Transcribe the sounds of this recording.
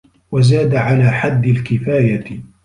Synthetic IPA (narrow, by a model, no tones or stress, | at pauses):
wazaːd̪aʕalaːħad̪ːɪlkɪfaːja